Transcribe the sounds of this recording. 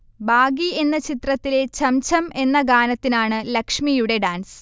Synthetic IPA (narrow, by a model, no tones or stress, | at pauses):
baːɡie̞nːɐt͡ɕit̪rɐt̪ːile̞t͡ɕɐmt͡ɕʰɐme̞nːɐɡaːnɐt̪ːinaːɳɨlɐkʂmijuɽe̞ɖaːnsɨ̥